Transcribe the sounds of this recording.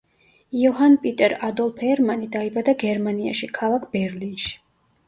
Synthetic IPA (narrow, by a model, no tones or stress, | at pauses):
iɔɦanpʼit̪ʼɛɾad̪ɔlˠpʰɛɾmanid̪aibad̪aɡɛɾmania̰ʃikʰalˠakʰb̥ɛɾlinʃi̥